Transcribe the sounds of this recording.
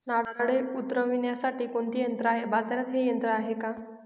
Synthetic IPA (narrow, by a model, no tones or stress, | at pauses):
naɽɽeut̪ɾəʋinjasaʈiːkoɳt̪ijənt̪ɾəaɦebad͡zanat̪ɦejənt̪ɾəaɦeka